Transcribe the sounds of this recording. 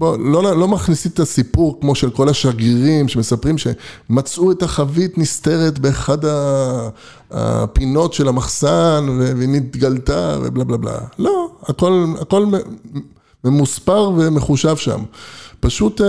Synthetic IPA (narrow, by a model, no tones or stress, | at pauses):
bololo̞maχnisitasipuʁkmo̞ʃe̞lko̞laʃaɡiʁimʃe̞me̞sapʁimʃe̞mat͡sʔuetaχavitniste̞ʁetbe̞ːχada | a̰pino̞tʃe̞lamaχsanvevenit̪ɡaltavḛblablabla̰lo̞ako̞la̰ko̞lme | memuspaʁve̞me̞χuʃavʃa̰mpaʃut